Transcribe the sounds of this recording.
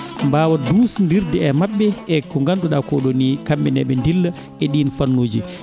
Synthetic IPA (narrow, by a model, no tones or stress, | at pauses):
mbaːwaduːsndiɾdɛɛmaɓːɛɛkɔŋɡanduɗakɔɗonikamːɛnɛɓɛndilːa | ɛɗinfanːoːd͡ʒi